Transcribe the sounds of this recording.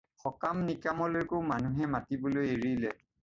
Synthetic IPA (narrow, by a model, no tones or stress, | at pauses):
xɔkamnikamɔleɹkoʊmanuɦɛmatibolojeɹilɛ